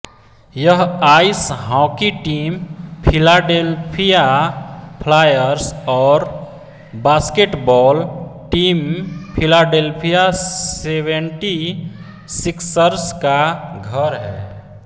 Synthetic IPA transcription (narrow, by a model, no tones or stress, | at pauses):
jəɦaisɦɔ̃kiʈiːmpʰilaɖelpʰija | pʰlaːjəɾsɔːɾ | baskeʈbɔːlʈiːmpʰilaɖelpʰijaseʋẽɳʈi | siksəɾskaɡʱəɾɦɛ̰ː